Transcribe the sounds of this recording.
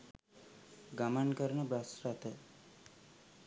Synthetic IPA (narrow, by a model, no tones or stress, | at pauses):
ɡamənkəɾənəbɾasɾat̪ə